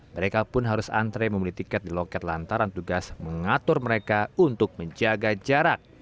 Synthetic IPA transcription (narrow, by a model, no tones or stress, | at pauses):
məɾekapʊnɦaɾʊsa̰nt̪ɾeməmulit̪ikɛt̪̚dilokɛt̪̚lant̪aɾant̪uɡasməŋat̪ʊrməɾekaunt̪ʊk̚məɲd͡ʒaɡad͡ʒaɾak̚